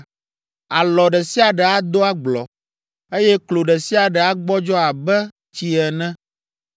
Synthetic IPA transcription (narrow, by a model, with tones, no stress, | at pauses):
a˨lɔ˨ɖɛ˨si˦a˨ɖɛ˨a˦d̪o˦a˦ɡ͡blɔ̰˨ | e˦jɛ˦klo˨ɖɛ˨si˦a˨ɖɛ˨a˦ɡ͡bɔ˦d͡ʒɔ˦a˨bɛ˦ | t͡ɕi˦ɛ˨nɛ̃˦